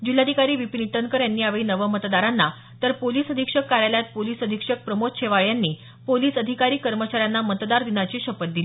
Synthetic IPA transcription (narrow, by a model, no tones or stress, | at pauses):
d͡ʑil̤ad̪ʱikaɾiːʋipiniʈənkəɾjanːiːaʋɭiːnəʋəmət̪d̪aɾanːa | t̪əɾpoliːsəd̪ʱikʂəkːaɾjaljat̪̚poliːsəd̪ʱikʂək̚pɾəmot̪ɕʰeʋaɭjanːiː | poliːsəd̪ʱikaɾiːkəɾmət͡ɕaɾjanːamət̪d̪aɾd̪inat͡ɕiːɕəpət̪̚d̪ili